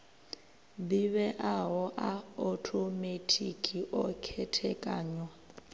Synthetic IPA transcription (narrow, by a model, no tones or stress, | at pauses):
biβɛʔaɦɔʔaɔtʰometʰikʼiʔɔkʰɛtʰɛkʼaːɲɔ